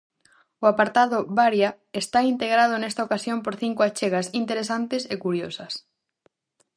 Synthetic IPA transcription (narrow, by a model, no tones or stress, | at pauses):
ʊapaɾt̪aðʊβaɾja | est̪aint̪eɣɾað̞ʊnest̪aokasjompoɾθiŋkʊat͡ʃeɣasint̪eɾesant̪esekuɾjosɐs